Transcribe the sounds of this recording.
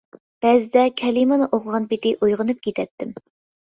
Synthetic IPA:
b̥ɛzɪd̪ɛkʲʰɛlimɨnɨʔoqʰəʁɑnpɪt̪ɪʔujʁənup̚kʲet̪ʰɛt̪ʰːɪm

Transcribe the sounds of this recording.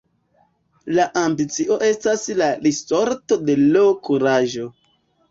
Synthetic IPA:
laʔambit͡siʔo̞ʔe̞staslaɾiso̞ɾto̞de̞lo̞kuɾaʒo̞

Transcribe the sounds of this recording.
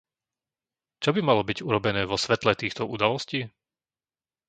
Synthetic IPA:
t͡ʃɔbimalɔbiɟuɾɔbɛnɛːʋɔsʋɛt̪lɛt̪iːxt̪ɔud̪alɔsciː

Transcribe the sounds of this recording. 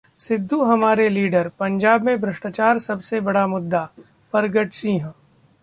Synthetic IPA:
sɪd̪ʱːuɦɐmaːɾeliːɖəɾpɐ̃ɲd͡ʒaːbmẽbɾɪʃʈat͡ʃaːɾsɐbsebɐɽamʊd̪ːa | pɐɾɡəʈsiːɦə̃

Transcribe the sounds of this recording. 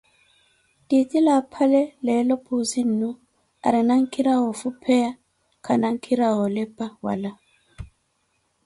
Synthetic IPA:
titʼilapʰalɛlɛlɔpʰʼuzin̩nu | a̰ɾɛnaŋ̩kʰiɾawɔfupʰɛja | kʰanaŋkʰiɾaɣɔlɛpʼawa̰la

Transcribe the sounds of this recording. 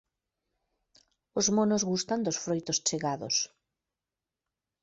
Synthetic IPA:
ozmonozɣust̪and̪osfɾojt̪ost͡ʃeɣaðos

